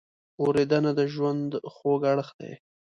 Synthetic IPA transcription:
oɾed̪anad̪əʒwand̪xoɡaɽxd̪ḛj

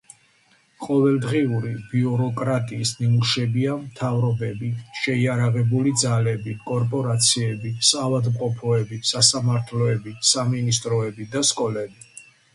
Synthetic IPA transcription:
qʼɔvɛld̪ʁiuɾibiuɾɔkʼɾat̪ʼiːsnimuʃɛbiamt̪ʰavɾɔbɛbiʃɛiaɾaʁɛbulid̪zalɛbikʼɔɾpʼɔɾat̪sʰiɛbisavad̪mqʼɔpʰɔɛbisasamaɾt̪ʰlɔɛbisaminist̪ʼɾɔɛbid̪askʼɔlɛbi

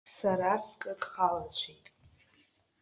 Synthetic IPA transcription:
saɾaskʼɨdχalat͡ɕʷʰitʼ

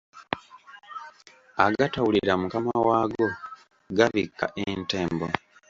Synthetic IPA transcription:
aɡatawuliɾamukamawaːɡo̞ | ɡaβikːa̰ʔenteːmbo

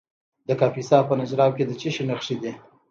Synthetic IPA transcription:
d̪əkɑfisɑpənad͡ʒɾɑwked̪ət͡ʃɪʃinaxʂid̪i

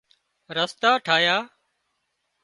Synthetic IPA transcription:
ɾəst̪aːʈʰaːjaː

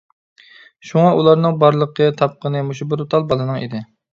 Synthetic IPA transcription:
ʃuŋɑʔulˠɑɾnɨŋbɑɾlˠəqʰət̪ʰɑp̚qənɨmuʃubɪɾot̪ʰɑlˠbɑlˠɨnɨŋḭd̪ɪ

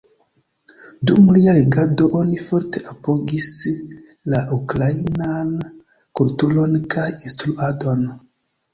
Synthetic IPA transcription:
dumːulialeɡado̞ʔo̞nifo̞ɾte̞ʔapo̞ɡis | laʔukɾainan | kultulo̞nkʰajinstɾuado̞n

